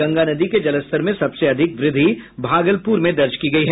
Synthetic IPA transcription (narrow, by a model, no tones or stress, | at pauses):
ɐ̃ŋɡanɐd̪iked͡ʒɐləst̪ʰəɾmẽsɐbseɐd̪ʱɪkʋɾɪd̪ʱːibʱaːɡəlpuːɾmẽd̪ɐɾt͡ʃkiɡɐiɦɛ